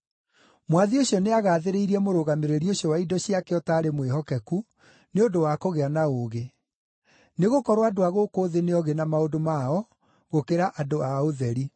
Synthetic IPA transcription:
mwaðioɕiɔneaɣaːðeɾeiɾiɛmoɾoɣameɾeɾioɕjɔwaidɔɕiakɛɔtaːɾemweɦɔkɛku | neodowakoɣeanaoːɣe | neɣokɔɾwadoaɣokoːðeneɔɣenamaodomaɔ | ɣokeɾaʔadoaoðɛɾi

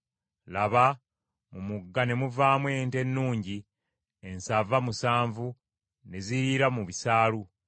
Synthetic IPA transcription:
laβa | mumuɡːane̞muvaːmwe̞ːnte̞nːuːɲɟi | ensavamusaːɱvu | ne̞ziɾiɾamuβisaːlu

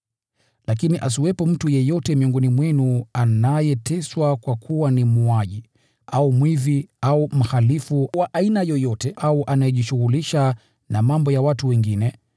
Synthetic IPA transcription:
lak̬iniʔas̬iwɛpɔm̩tujɛjɔtɛmiɔŋɡɔnimwɛnuanajɛtʰɛswakwakʰuwanimuaʄi | aumwiðiaum̩halifuwaʔainajɔjɔtɛʔauʔanajɛʄiʃuɣuliʃa | namambɔjawatuwɛŋɡinɛ

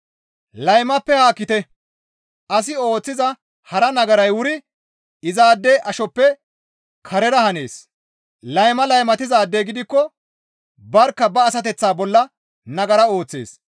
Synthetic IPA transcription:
lɐjmɐpːɛhaːkːɪt̪ɛ | ʔɐs̬ɪo̞ːt͡sːɪzɐ | hɐɾɐnɐɡɐɾɐjwʊɾɪ | ɪzaːd̪ːɛʔɐʃɔpːɛ | kʰɐɾɛɾɐhɐneːs | lɐjmɐlɐjmɐt̪ɪzaːd̪ːeɡɪd̪ɪkːɔ | bɐɾkːɐbɐːsɐt̪ɛt͡sːaːbɔlːɐ | nɐɡɐɾɐo̞ːt͡sːḛːs

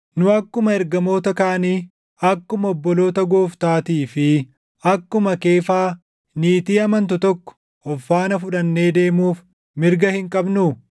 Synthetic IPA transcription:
nʊɐkːʊmɐɛɾɡɐmo̞ːt̪ɐkaːniː | ɐkːʊmɐɔbːɔlo̞ːt̪ɐɡoːft̪aːt̪iːfɪ | ɐkːʊmɐke̞ːfaː | niːt̪iːɐmɐnt̪̬ʊt̪ɔkːɔ̥ | ɔfːaːnɐfʊᶑɐnːe̞ːd̪e̞ːmuːf | mɪɾɡɐhɪŋkʼɐbnʊ

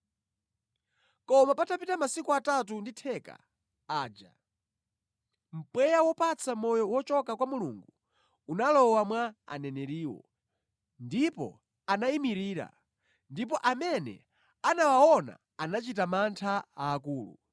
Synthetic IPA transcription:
kɔmapatapitamasikuatatunditʰɛka̰ | aːd͡ʒa̰ | m̩pwɛjawɔpat͡sʰamɔjɔwɔt͡ʃɔkakwamulṵŋɡu | unalɔwamwaa̰nɛnɛɾiːwɔ̰ | ndipɔ̰ | anaimiɾiːɾa̰ | ndip̬ɔʔamɛnɛ̰ | anawaɔna̰ | anat͡ʃit̬amantʰaaːkuːlṵ

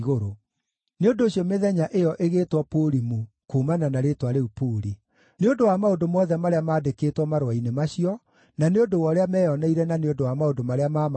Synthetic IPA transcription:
ɣoɾo | neondoːɕiɔmeðɛɲaʔejɔʔeɣeːtwɔpoɾimu | kumananaɾetwaɾeupoːɾi | neondowamaodomɔðɛmaɾeamaːdekeːtwɔmaɾwainemaɕiɔ | naneondowɔɾeamɛːjɔnɛiɾɛnaneondowamaodomaɾeamam

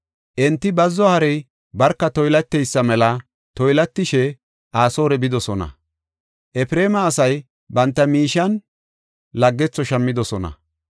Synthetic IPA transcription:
ʔɛnt̪ːɪbɐzːɔhɐɾɛj | bɐɾkːɐt̪ɔjlɐt̪ːɛjsːɐmɛlɐ | t̪ɔjlɐt̪ːɪʃɛ | ʔaːso̞ːɾɛbɪd̪ɔsɔnɐ̰ | ʔɛfɾe̞ːmɐːsɐj | bɐnt̪ːɐmiːʃɐn | lɐɡːɛt͡sːɔʃɐmːɪd̪ɔsɔnɐ̰

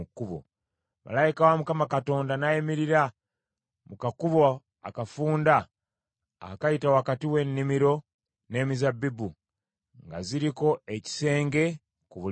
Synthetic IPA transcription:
kːuβo̰ | mʔa̰laikawamukamakato̞ːndanajemiɾiɾa | mukakuβo | a̰kafuːnda | a̰kajitawakatiwe̞nːimiɾo̞ | ne̞ːmizabːibu | ŋɡa̰ziɾiko̞eci̥se̞ːŋɡe̞ | kuβu

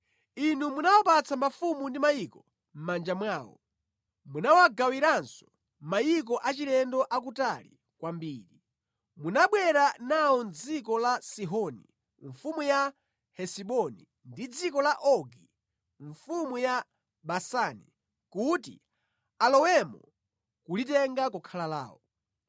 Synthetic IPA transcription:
inumunawɔpat͡sʰamafumundimajikɔ | m̩mand͡ʒamwaːwɔ̰ | munawaɡawiɾansɔ̥ | majik̬ɔʔat͡ʃilɛndɔʔak̬utalḭ | kwambiːɾi | munaɓwɛɾanawɔnd͡zikɔlasiɦɔnḭ | ɱfumuja | hɛsiɓɔni | ndid͡zikɔlaʔɔɡi | ɱfumuja | ɓasanḭ | kutḭ | alɔwɛmɔ | kulitɛŋɡakɔkʰalala̰ːwɔ

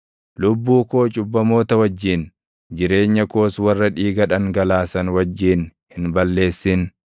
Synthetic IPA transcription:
lʊbːuːko̞ːt͡ʃʼʊbːɐmo̞ːt̪ɐwɐd͡ʒːin | d͡ʒɪɾe̞ːɲːɐko̞ːswɐrːɐᶑiːɡɐᶑɐŋɡɐlaːsɐnwɐd͡ʒːiːnhɪnbɐlːe̞ːsːɪn

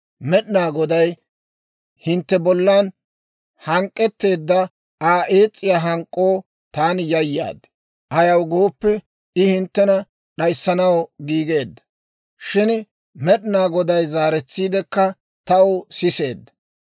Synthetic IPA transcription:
mɛɗnaːɡɔd̪ɐj | hɪnt̪ːɛbɔlːaːn | hɐŋkʼːɛt̪ːe̞ːd̪ːɐ | aːʔeːt͡sʼːɪjaːɦɐŋkʼːoː | t̪aːnjɐjːa̰ːd̪ | ʔɐjɐwɡoːpːɛ | ɪhɪnt̪ːɛnɐ | ɗɐjsːɐnɐwɡiːɡe̞ːd̪ːɐ̥ | ʃɪn | mɛɗɪnaːɡɔd̪ɐjzaːɾɛt͡sːiːd̪ɛkːɐ | t̪ɐosɪse̞̰ːd̪ːɐ

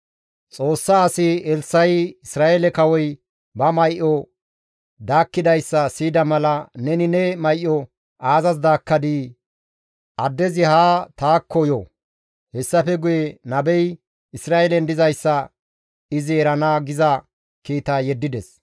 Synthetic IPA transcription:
t͡sʼo̞ːsːaːsɪɛlsɐjɪsɾaːʔelɛkɐwɔj | bɐmɐjʔɔ | d̪aːkːɪd̪ɐjsːɐsiːd̪ɐmɐlɐnɛnɪnɛmɐjʔːɔ | ʔaːzɐz̬d̪aːkːɐd̪i | ʔɐd̪ːɛzɪhaːt̪aːkʰːɔjɔ | hɛsːɐfɛɡʊjɛnɐbɛj | ɪsɾaːʔɛlɛnd̪ɪzɐjsːɐ | ɪzɪɛɾɐnaːɡɪzɐ | kiːt̪aːjɛd̪ːɪd̪ɛs

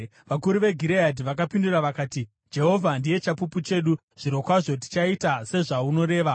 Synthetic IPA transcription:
ʋakuɾuʋe̞ɡʱiɾeadʱiʋakapinduraʋakaːti | d͡ʒe̞ɦo̞vʱandije̞t͡ʃapuput͡ʃe̞ɗu | ʐ̥iɾo̞kwaʐo̞t̬i̥t͡ʃaitase̞ʐauno̞ɾe̞ːʋa

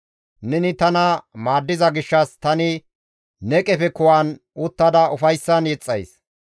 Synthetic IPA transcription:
nɛnɪt̪ɐnɐmaːd̪ːɪzɐɡɪʃːɐst̪ɐnɪ | nɛkʼɛfɛkʊwan | ʊt̪ːɐd̪ɐʊfɐjsːɐnjɛt͡sʼːɐ̰js

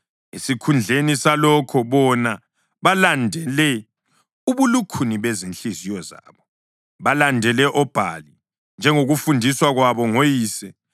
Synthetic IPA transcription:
isikʰund͡ɮʱenisalɔkʰɔβɔna | βalandʱɛlɛ | uβulukʰuniβezinɬizijɔza̰ːβɔ | βalandʱɛlɛʔɔb̥ʱa̰li | nd͡ʒʱɛŋoɣufundʱiswaɣwaβɔŋojiːsɛ

